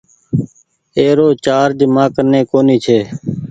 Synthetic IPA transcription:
eːɾoːt͡ʃaːɾd͡ʒmãːkənẽːkoːniːt͡ʃʰeː

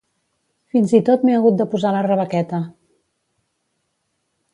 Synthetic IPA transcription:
finzit̪ot̪meəɣut̪̚d̪əpuzalərəβ̞əkɛt̪ə

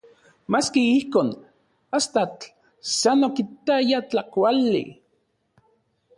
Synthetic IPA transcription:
maskiihkoːn | ast̪at͡ɬ | sanokit̪ajat͡ɬakʷalːḭ

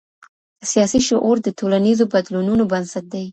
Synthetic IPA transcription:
sijɑsiʃoʔoɾd̪ətolanizobad̪lununobansat̪̚d̪aj

